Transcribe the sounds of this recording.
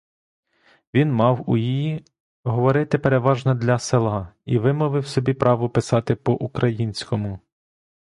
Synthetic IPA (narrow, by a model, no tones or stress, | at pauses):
ʋʲinmɑwujiji | ɦɔʋɔɾɪt̪ɪpeɾeʋɑʒnɐd̪lʲɐselˠɑiʋɪmɔʋɪwsɔbʲipɾʔɑʋʊpɪsɑt̪ɪpɔʔukɾɐjinʲsʲkɔmʊ